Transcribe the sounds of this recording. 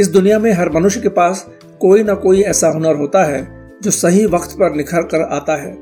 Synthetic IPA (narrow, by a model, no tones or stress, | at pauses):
ɪs̬d̪ʊnijamẽɦɐɾmɐnʊʃjkepaːs | koːinakoːiɛːsaɦʊnəɾɦoːt̪aɦɛː | d͡ʒoːsɐɦiʋɐqt̪pɐɾnɪkʰəlkɐɾa̰ːt̪aɦɛː